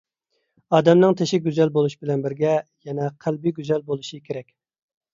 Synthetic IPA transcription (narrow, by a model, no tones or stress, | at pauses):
ɑːd̪ɛmnɨŋt̪ʰeʃɪɡʲyzɛlbolˠuʃbɪlɛnbɪɾɡʲɛjɛnɛqʰælbiɡʲyzɛlbolˠuʃɨkʲʰeɾɛkʲ